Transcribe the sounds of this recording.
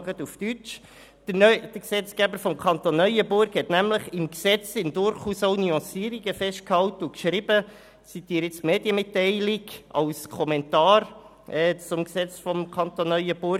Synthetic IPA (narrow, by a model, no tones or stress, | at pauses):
ɡət̪uftyt͡ʃ | œd̥əksɛt͡skæbəɾfɔmkʰɑntonːœʏəbʊɾkhɛtnæmləχɪmksɛt͡sɪmdʊɾχuːsoʊnyɑ̃siːɾiɡ̥əfɛʃt̚khɑwtəukʃɾib̥ə | t͡sit̪iːɾɪt͡stmeːdjəmɪtːɛɪliɡɑ̰wskʰɔmɛntɑːɾ | ʔɛt͡sʊmksɛt͡sfɔmkʰɑnt̪onːœʏəb̥ʊɾ